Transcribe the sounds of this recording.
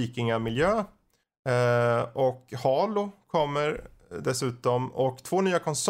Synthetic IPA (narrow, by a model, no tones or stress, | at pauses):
iːkɪŋamɪljøː | ɔkhɑːlʊkʰɔmːəɾ | d̪ɛsʉ̟ːt̪ɔmɔkt̪ʰvoːnyːakʰɔns